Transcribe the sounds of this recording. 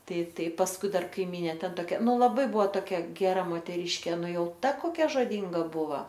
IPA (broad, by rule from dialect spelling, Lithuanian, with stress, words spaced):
tɐɪ ˈtɐɪ pɐsˈkʊɪ ˈdɐr kɐɪˈmʲiːnʲeː ˈtʲɛn toːˈkʲɛ ˈnʊ lˠɐˈbɐɪ ˈbʊʋoː toːˈkʲɛ ɡʲɛˈrɐ moːtʲɛˈrʲiːʃʲkʲeː ˈnʊ ˈjɛʊ ˈtɐ koːˈkʲɛ ʒoːˈdʲiːŋɡɐ ˈbʊʋɐ